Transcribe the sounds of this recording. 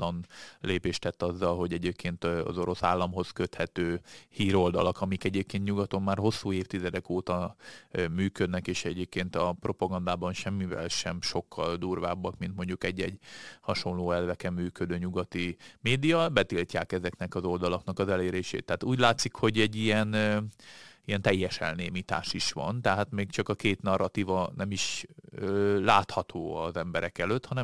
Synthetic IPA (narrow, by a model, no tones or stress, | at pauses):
t̪lɒnleːpeːʃt̪ɛt̪ːɒzːɒlɦo̞ɟɛɟeːp̚kʰeːnt̪ɒ̰zoɾo̞sa̰ːlːɒmɦo̞skøt̪hɛt̪øːhiːɾo̞ld̪ɒ̰lɒkɒmikɛɟeːp̚keːnt̪ɲuɡɒt̪o̞mːaːrɦo̞sːuːeːft̪izɛd̪ɛkoːt̪ɒ | myːkød̪nɛkeːʃɛɟeːp̚keːnt̪ɒpro̞pɒɡɒnd̪aːbɒnʃɛmːivɛ̰lʃɛmʃo̞kʰːɒld̪uːrva̰ːbːɒkmint̪mo̞ɲɟukɛɟːɛɟhɒʃo̞nloːɛlvɛkɛmːyːkød̪øːɲuɡɒt̪imeːd̪ijɒbɛt̪ilcaːkɛzɛknɛkɒzo̞ld̪ɒlɒknɒkɒzɛleːɾeːʃḛːt̪ːɛɦaːt̪uːɟlaːt̪sikho̞ɟɛɟːijɛn | ijɛnt̪ɛjːɛʃɛ̰lneːmit̪a̰ːʃiʃʋɒ̰nt̪ɛɦaːt̪meːkt͡ʃɒkɒkeːt̪nɒrːʔɒt̪ivɒnʔɛmiʃølaːt̪hɒt̪ʰoːɒzɛmbɛɾɛkɛløt̪hɒnɛ